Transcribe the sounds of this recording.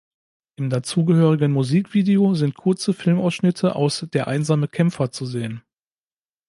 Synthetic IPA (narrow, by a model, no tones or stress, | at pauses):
ʔɪmdat͡suːɡəhøːʁ̞ɪɡənmuziːkv̥iːdeozɪnt̚kʰʊɐt͡səfɪlmaʊsʃnɪtʰəʔa̰ʊsd̥eːɐʔa̰ɪnzaːməkʰɛmfɐt͡suzeːən